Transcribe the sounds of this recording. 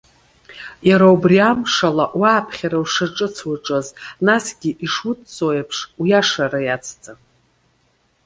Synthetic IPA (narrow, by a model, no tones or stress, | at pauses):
jaɾawbriamʂalaʔwaːpʰχʲaɾawʂaʈ͡ʂʼɨt͡sʰwaʈ͡ʂʼaznasɡʲiʔiʂutt͡sʼojapʰʂwjaʂaɾajat͡sʰt͡sʼa